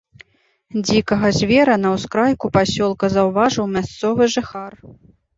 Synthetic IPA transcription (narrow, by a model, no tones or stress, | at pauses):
d͡zʲikɐɣɐzʲvʲɛɾɐnɐwskɾajkupasʲɔlˠkɐzɐwvaʐɨwmʲast̪sɔvɨʐɨxar